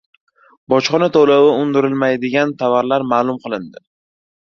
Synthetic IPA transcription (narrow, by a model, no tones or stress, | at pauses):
bɒt͡ʃχɒnat̪ʰolawɪʊnd̪ɪɾɪlmajd̪ɪɡʲant̪ʰavaɾlaɾmaːlˠʊmqʰɨlˠɪnd̪ɪ